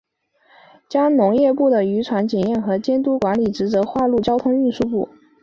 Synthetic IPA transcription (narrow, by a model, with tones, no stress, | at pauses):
t͡ɕjɑ˥ŋnʊ˧˥ŋjɛ˥˧pu˥˩d̪ə˩y˧˥ʈ͡ʂʰwa˧˥nt͡ɕjɛ˨˩njɛ˥˩nxɤ˧˥t͡ɕjɛ˥nt̪u˥kwa˧˥nli˨˩ʈ͡ʂɻ̩˧˥t͡sɤ˧˥xwa˥˧lu˥˩t͡ɕjɑ˥ʊt̪ʰʊ˥ŋy˥˧nʂu˥˧pṵ˥˩